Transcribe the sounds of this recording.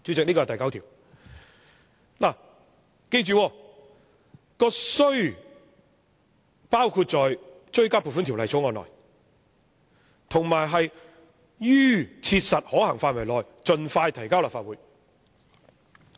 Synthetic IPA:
t͡ʃyː˨˥t͡sɪ˨k̚ni˥kɔː˧˨˩t̪ɐ˨jkɐ˨˥wt̪ʰiː˨˩w | laː˨˩ | ke˧jt͡ʃyː˨wɔː˧ | kɔː˧sɵ˥ɥ | paː˥wkʰu˧t̚t͡sɔː˨j | t͡ʃɵ˥ɥkaː˥pʰu˨tfuː˥nt̪i˨˩wlɐ˨jt͡so˨˥ŋɔː˨˧nlɔ̰˨˩j | t̪ʰʊ˨˩ŋmaː˨˩jɦɐ˨j | jyː˥t͡sʰiː˧t̚sɐ˨t̚hɔː˨˥hɐ˨˩ŋfaː˧t̚wɐ˨˩jlɔː˨j | t͡ʃɵ˨nfaː˧jt̪ʰɐ˨˩jkaː˥wlaː˨˩faː˧t̚uː˨˥j

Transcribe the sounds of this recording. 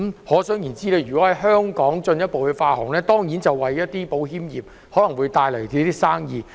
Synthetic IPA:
mhɔː˨˥sœː˨˥ŋjiː˨˩nt͡siː˥lɛː˥˩jyː˨˩kɔ˨˥hɐ˨˦jɦœː˥ŋkɔː˨˥ŋt͡sɵ˧njɐ˥t̚po˨wkɛ˧faː˧hɔ̰˨˩ŋlɛː˥t̪ɔː˥ŋjiː˨˥nt͡sɐ˨wɐ˨jːɐ˥t̚t̪iː˥po˨˥wɦiː˥mjiː˨p̚ | hɔː˨˥lɐ˨˩ŋwuː˨˧jt̪aː˧jlɐ˨˩ti˧˥t̪iː˥saː˥ŋjiː˨˩

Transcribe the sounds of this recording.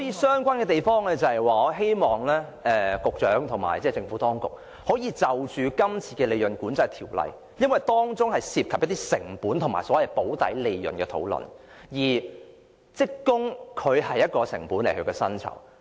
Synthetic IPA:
sɔː˨˥jiː˨˧sœː˥ŋkʷaː˥nkɛ˧t̪e˨jfɔː˥ŋlɛː˧t͡sɐ˨hɐ˨˩jwaː˨˧ɔ˨˧ɦe˥jmɔː˨ŋlɛː˥ɛː˨kʊ˨k̚t͡ʃœː˨˥ŋt̪ʰʊ˨˩ŋma̰ː˨˩jt͡sɛː˥˩t͡sɪ˧ŋfuː˨˥t̪ɔː˥ŋkʊ̰˨k̚ | hoː˨˥jiː˨˧t͡sɐ˨wt͡ʃyː˨˧kɐ˥mt͡sʰiː˨˧kɛː˧le˨˧jɵ˨˩nkuː˨˥nt͡sɐ˧jt̪ʰiː˨˩wlɐ̰˨j | jɐ˥nwɐ˨jt̪ɔː˥ŋt͡sʊ˥ŋhɐ˨jsiː˧p̚kʰɐ˨p̚jɐ˥t̪i˥sɪ˨˩ŋpuː˨˥nt̪ʰʊ˨˩ŋma̰ː˨˩sɔː˨˥jɐ˨˩jpo˨˥wt̪ɐ̰˨˥jle˨˧jːɵ̰˨˩nkɛː˧t̪ʰo̰˨˥wlɵ̰˨˩n | jiː˨˩ | t͡sɪ˥kːʊ˥ŋkʰɵ˨˧ɥɦɐ˨jːɐ˥t̚kɔː˧sɪ̰˨˩ŋpuː˨˥nle˨˩hɵ˨˧ɥkɛ˧sɐ˥nt͡sʰɐ̰˨˩w

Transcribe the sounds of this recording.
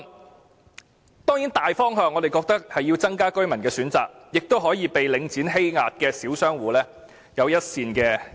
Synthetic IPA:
t̪ɔː˥ŋjiː˨˥nt̪aː˨jfɔː˥ŋɦœː˨˧ŋːɔ˨˧d̪e˨jkɔː˧k̚t̪ɐ˥k̚hɐ˨jːiː˧wt͡sɐ˥ŋkaː˥kɵ˥ɥmɐ˨˩nkɛː˧syː˨˥nt͡saː˨k̚jɪ˨k̚t̪o˥wɦɔː˨˥jiː˨˧pe˨jlɪ˨˧ŋt͡siː˨˥nɦe˥jŋa̰ː˨t̚kɛː˧siː˨˥wsœː˥ŋwuː˨˥lɛː˥ | jɐ˨˧wjɐ˥t̚siː˧nkɛː˧

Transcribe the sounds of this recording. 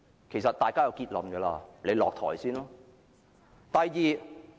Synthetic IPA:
kʰe˨˩jsɐ˨t̚t̪aː˨jkaː˥jɐ˨˧wkiː˧t̚lɐ˨˧mkɛː˧la̰ː˧le˨˧jlɔː˨k̚t̪ʰɔ̰ː˨˩jsiː˥nlɔː˥ | t̪ɐ˨jːiː˨

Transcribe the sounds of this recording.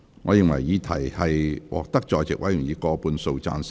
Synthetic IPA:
ŋɔː˨˧jɪ˨ŋwɐ̰˨˩jjiː˨˧t̪ʰɐ˨˩jhɐ˨jwɔ̰ː˨k̚t̪ɐ˥k̚t͡ʃɔː˧jt͡sɪ˨k̚wɐ˨˥jy˨˩ŋjiː˨˧kɔː˧puː˨˧nso˧wt͡sa̰ː˧ns

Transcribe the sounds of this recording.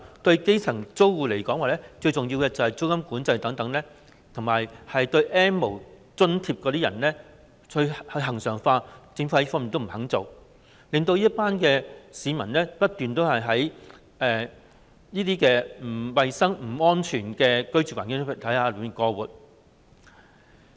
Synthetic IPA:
t̪ɵ˧ɥke˥jt͡sʰɐ˨˩ŋt͡so˥wwuː˨le˨˩jkɔː˨˥ŋwaː˨˩lɛː˥t͡ʃɵ˧ɥt͡sʊ˨ŋji˧wkɛː˧t͡sɐ˨˩whɐ˨˩jt͡so˥wkɐ˥mkuː˨˥nt͡sɐ˧jt̪ɐ˨˥ŋt̪ɐ˨˧˥ŋlɛː˥ | t̪ʰŋmaː˨˩jhɐ˨jt̪ɵ˧ɥʔɛː˥nmo˨˩w | t͡sɵ˥nt̪ʰiː˧p̚kɔː˨˧t̪iː˥ɐ˨˩nlɛː˥ | kʰɵ˧hɐ˧ɦɐ˨˩ŋsœː˨˩ŋfaː˧t͡sɪ˨˥ŋfu˧˥˦fɔː˥miː˨nt̪o˥m̩˨˩hɐ˨˥ŋt͡so˨w | lɪ˨˧ŋt̪̬o˧wjiː˥t̚paː˥nkɛː˧siː˨˧mɐ˨˩nlɛː˥pɐ˥t̚t̪yː˨nt̪o˥whɐ˨jɦɐ˨˥j | ɛː˨ | jiː˥t̪iː˥kɛː˧m̩˨˩wɐ˨jsɐ˥ŋm̩˨˩ɔː˥nt͡ʃʰyː˨˩nkɛː˧kɵ˥ɥt͡syː˨kwa̰ː˨nkɪ˥ŋ˥˨˩t̪ʰɐ˨˥jaː˧˨˩m˨˩kɔː˧wuː˨t̚

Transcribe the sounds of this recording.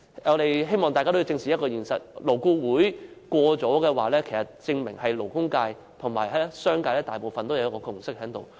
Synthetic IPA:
ŋɔː˨˧ɾe˨jɦe˥jmɔː˨˩ŋaː˨ka˥t̪jt͡sɪ˧ŋsʰiː˨jɐ˥kɔː˧jiː˨˩nsɐ̰˨t̚lo˨˩wkuː˧wuː˨˥jkʷɔː˧t͡sɔː˨˥kɛː˧waː˨lɛː˥kʰe˨˩sɐ˨˩t̚t͡sɪ˧ŋmɪ˨˩ŋɦɐ˨jlo˨˩wkʊ˥ŋkaː˧j | t̪ʰʊ˨˩ŋma̰ː˨˩jhɐ˨˥sœː˥ŋkaː˧jlɛː˥t̪aː˨jpo˨wfɐ˨nt̪o˥wjɐ˨˧jkɔː˧˥kʰʊ˨˩ŋsɪ˥k̚hɦɛː˨˥ŋt̪o̰˨w

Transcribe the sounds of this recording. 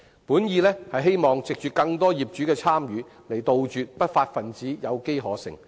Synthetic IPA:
puː˨˥njiː˨˧lɛː˥hɐ˨jɦe˥jmɔː˨˩ŋt͡sɪ˨k̚t͡ʃyː˨˩kɐ˧ŋt̪ɔː˥jiː˨p̚t͡ʃyː˨˥kɛː˧t͡sʰaː˥mjyː˨˧ | le˨˩jt̪o˨wt͡ʃyː˨t̚pɐ˥t̚faː˧t̚fɐ˨nt͡siː˨˥jɐ˨˧wke˥jɦɔː˨˥sɪ̰˨˩ŋ

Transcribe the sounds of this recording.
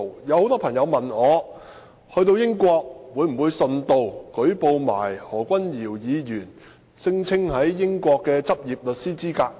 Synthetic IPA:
jɐ˨˧who˨˥wt̪ɔː˥pʰɐ˨˩ŋjɐ˨˧wmɐ˨nɔː˨˧ | hɵ˧ɥt̪o˧wjɪ˥ŋkʷɔː˧k̚wuː˨˧jm̩˨˩wu˨˧jsɵ˨nt̪o˧wkɵ˨˥ɥpo˧wma̰ː˨˩jhɔː˨˩kʷɐ˥njiː˨˩wjiː˨˧jyː˨˩n | sɪ˥ŋt͡sʰɪ˥ŋhɐ˨˥jːɪ˥ŋkʷɔː˧kːɛː˧t͡sɐ˥p̚jiː˨p̚lɵ˨t̚siː˥t͡siː˥kaː˧k̚

